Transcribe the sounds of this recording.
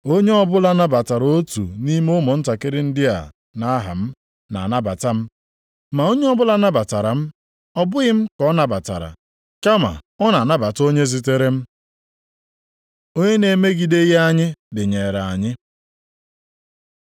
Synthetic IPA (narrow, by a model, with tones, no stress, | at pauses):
o˦ɲe˦ɔ˦bʊ˦la˦na˦ba˨ta˨ɾo˦tṵ˨ni˦m˦o˦mɔ˨n̩˦ta˨kɪ˦ɾɪ˦n̩˦dɪ˦a̰˨ | na˦ɦa̰˨m̩˦ | na̰˨na˦ba˨ta˦m̩˦ | ma˨o˦ɲe˦ɔ˦bʊ˦la˦na˦ba˨ta˨ɾa˨m̩˦ | ɔ˦bʊ˦ɣɪ˦m̩˦kɔ˦na˨ba˨ta̰˨ɾa̰˨ | ka˦ma̰˨ | ɔ˦na˨na˦ba˨to˦ɲe˦zi˨te˦ɾe˦m̩˦ | o˦ɲe˦ne˨me˦ɡi˨de˦ɣe˦a˦ɲɪ˦dɪ˨ɲe˨ɾa˨a˨ɲɪ˦